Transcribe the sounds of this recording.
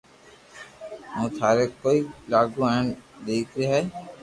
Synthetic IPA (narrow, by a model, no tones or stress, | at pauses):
mũːt̪ʰaːɾeːkoːiːlaːɡũːɛːnɗ̪eːkʰɾeːɦɛː